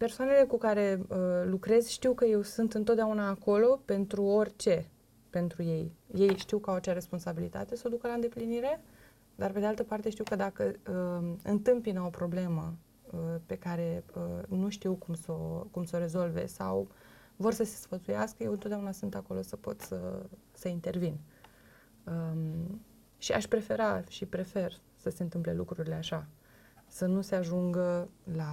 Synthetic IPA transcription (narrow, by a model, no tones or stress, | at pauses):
pe̞rsoane̞le̞kukaɾe̞əlukɾe̞zʃt̪iwkəje̞wsɨnt̪ɨnt̪ot̪̚d̪eaunaːko̞lo̞pe̞nt̪ɾuo̞rʲt͡ʃe̞ | pe̞nt̪ɾuje̞jje̞jʃt̪iwkəawat͡ʃeaɾe̞spo̞nsabilit̪a̰t̪e̞səod̪ukəlaɨnd̪e̞pliniɾe̞ | d̪arpe̞d̪ealt̪əpart̪eʃt̪iwkəd̪akəəɨ̰nt̪ɨmpinəopɾo̞ble̞mə | pe̞kaɾe̞ənuʃt̪iwkumso̞kumso̞ɾe̞zo̞lve̞̰sa̰w | vo̞rsəse̞sfət̪sujaskəjewɨnot̪d̪eaunasɨnt̪ako̞lo̞səpo̞̰t̪sə̰səint̪e̞rvin | ə | ʃiʔa̰ʃpɾe̞fe̞ɾaʃipɾe̞fe̞r | səse̞ɨnt̪ɨmple̞̰lṵkɾuɾile̞aʃa | sənuse̞aʒuŋɡəla